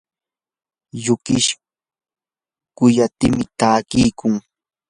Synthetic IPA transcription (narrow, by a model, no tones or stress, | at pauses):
jʊkɪʃ | kʊjat̪ɪmɪt̪aːkɪjkʊŋ